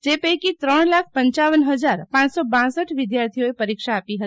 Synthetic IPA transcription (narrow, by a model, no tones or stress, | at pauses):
d͡ʒepəjkit̪ɾəɳ̃lakʰpəɲt͡ʃaʋənɦəd͡ʒaɾpãt͡ʃsɔbãsəʈʋɪd̪jaɾt̪ʰioepəɾikʃaːpiɦət̪i